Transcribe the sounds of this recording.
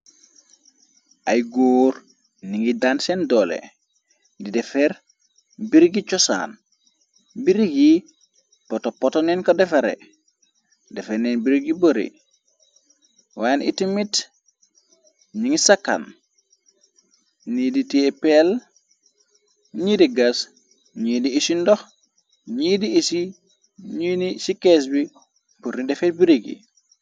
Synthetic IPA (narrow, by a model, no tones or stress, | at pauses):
ʔajɡoːɾ | niŋidansɛndɔlḛ | didɛfɛɾ | biɾɡit͡ʃɔsa̰n | biɾiɡi | pɔtopɔtɔnɛnkodɛfaɾḛ | dɛfenɛnbiɾɡiboɾḭ | wanḭtimit | ɲiŋisakːa̰n | niditepel | ɲidiɡas | ɲiːdiisindɔx | ɲidiisi | ɲinisikes̬bi | puɾnidɛfetbiɾiɡḭ